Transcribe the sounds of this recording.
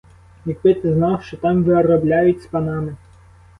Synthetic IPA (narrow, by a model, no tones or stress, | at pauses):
mʲikpɪt̪ɪznɑwʃt͡ʃɔt̪ɑmʋɪɔrɔblʲajʊtʲspɐnɑmɪ